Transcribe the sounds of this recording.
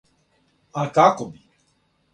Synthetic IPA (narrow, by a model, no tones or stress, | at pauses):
akakɔbi